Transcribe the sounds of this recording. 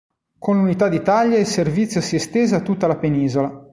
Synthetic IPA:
konlunit̪ad̪it̪aʎːaelservit̪sjosiɛst̪eːzat̪ːut̪ːalapeniːzola

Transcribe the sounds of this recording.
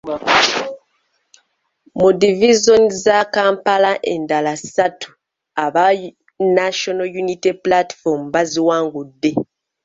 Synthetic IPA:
mudivizonizakaːmpalaʔe̞̰ndalasatʰu̥ | aβa | naʃonojuniteplati̥fomuβaziwaːŋɡudːe̞

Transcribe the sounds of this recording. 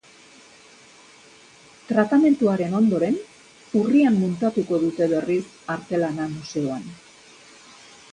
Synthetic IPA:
t̪ɾat̪ame̞nt̪uaɾe̞no̞nd̪o̞ɾe̞n | uriamːunt̪at̪uko̞ðut̪e̞βe̞ris | aɾt̪e̞lanamuse̞o̞an

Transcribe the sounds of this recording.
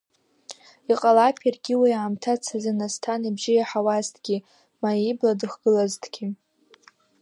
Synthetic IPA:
iqʼalapʰarɡʲiwiʕamtʰat͡sʰazanastʰanibʒɪjaħawaztʰʼɡʲi | maibladɨχɡ̥ɨlaztʰɡ̥ʲi

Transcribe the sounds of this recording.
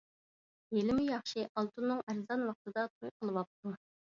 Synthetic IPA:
jelɪmujɑχʃɪʔɑlˠt̪ʰunːɨŋæɾzɑnwɑq̚t̪ɨd̪ɑt̪ʰojqʰəlˠɨwɑp̚t̪ʰu

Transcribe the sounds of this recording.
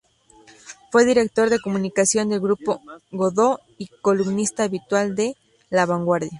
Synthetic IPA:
fwe̞ðiɾek̚t̪o̞ɾðe̞komunikasjo̞nd̪e̞lɡɾupoɣoðo | ikolumnist̪aːβit̪wald̪e | laβaŋɡwaɾðja

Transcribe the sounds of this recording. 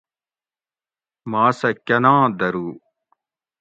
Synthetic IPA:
maːsɐkʲɐnãːd̪ɐɾuː

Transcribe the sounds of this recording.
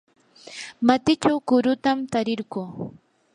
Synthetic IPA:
mat̪ɪt͡ʃawkʊɾʊt̪amt̪aɾɪɾɢuː

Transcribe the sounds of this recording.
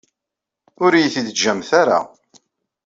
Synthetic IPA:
ʊɾjiθid̪əd͡ʒːæmθaɾa̰

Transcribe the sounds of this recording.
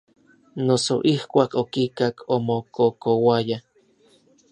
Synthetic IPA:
nosoʔihkʷaːkokikakʰomokokowaja

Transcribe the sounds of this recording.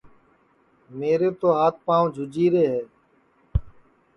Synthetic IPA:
meːɾeːt̪oːɦaːt̪̚ʰpaːũd͡ʒʱʊd͡ʒiːɾeːɦɛː

